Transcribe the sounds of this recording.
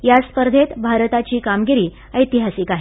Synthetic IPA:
jaspəɾd̪ʱet̪bʱaɾt̪at͡ɕiːkamɡiɾiː | əjt̪iɦasiːkaɦe

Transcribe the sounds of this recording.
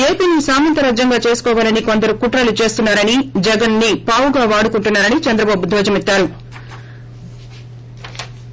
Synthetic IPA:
e̞ːpiːnisaːmɐnt̪ɐɾɐːd͡ʒjɐŋɡaːt͡ʃe̞ːsu̥kɔːʋaːlɐniko̞nd̪ɐɾukuʈɾɐlut͡ʃe̞ːst̪unːaːɾɐnid͡ʒɛɡɐnːipaːwuɡaːʋaːɽukuɳʈunːaːɾɐnit͡ʃɛnd̪ɾɐbaːbud̪ʱɔːd͡ʒɐmit̪ːaːɾu

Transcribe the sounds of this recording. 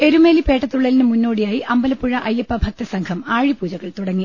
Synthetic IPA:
e̞ɾumeːlipe̞ːʈːɐt̪ːuɭːɐlinɨmunːo̞ːɽijaːjiʔɐmbɐlɐpːuɻɐʔɐjːɐpːɐbʱɐk̚t̪ɐsɐŋkʰɐmaːɻipuːd͡ʑɐɣɐɭt̪uɽɐŋːi

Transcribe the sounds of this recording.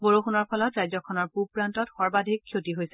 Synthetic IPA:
ɡoɹuxunɔɹpʰɔlɔtɹajzɔkʰɔnɔɹpupɹantɔtxɔɹbadʱikʰːjotiɦojsɛ

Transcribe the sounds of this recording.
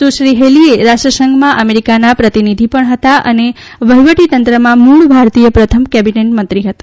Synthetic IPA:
suʃɾiɦelieɾaʃʈɾəsəŋɡmãʔəmeɾikanapɾət̪inid̪ʱipəɳɦət̪aʔə̰ne | ʋəɦiʋəʈit̪ənt̪ɾəmãmuɭbʱaɾt̪ijəpɾət̪ʰəmkɛbineʈ̚mənt̪ɾiɦət̪ḁ

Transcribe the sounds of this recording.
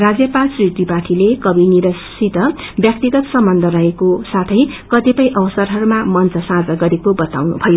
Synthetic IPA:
rad͡zjʌpalsrit̪ipaʈʰilekʌbʱiniɾʌsit̪ʌbjʌk̚t̪iɡʌt̪sʌmbʌnd̪ʱʌɾʌɦekosat̪ʰʌjkʌt̪epʌjʔʌbʌsʌrɦʌɾumamʌnt͡sʰʌsãd͡zʌɡʌɾekobʌt̪a̰wnṵbʱʌjo

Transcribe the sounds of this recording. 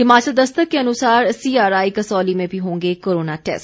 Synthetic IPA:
ɦɪmaːt͡ʃəld̪ɐst̪əkkːeɐnʊsaːɾsiːaːɾaːikɐsɔːlimẽbʱiɦõːŋɡekoːɾoːnaʈɛ̰ːsʈ

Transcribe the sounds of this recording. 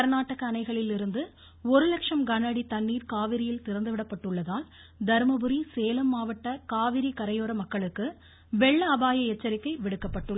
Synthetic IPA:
ɐɾnaːʈːɐɣɐːnɐɪɣɐɭɪlɪɾɯnd̪ɯ | ɔɾɯlɐkʂɐmɡɐnɐɽit̪ɐɳːiːɾkaːʋɪɾɪjɪlt̪ɪɾɐnd̪ɯʋɪɽɐpːɐʈːɯɭːɐðaːl | d̪ɐɾmɐbɯɾiseːlɐmːaːʋɐʈːɐkaːʋɪɾikɐɾɐjoːɾɐmɐkːɐɭɯkːɯ | ʋɛɭːɐːbaːjɐɛt͡ʃːɐɾɪkːɐɪʋɪɽɯkːɐpːɐʈːɯɭːɐ

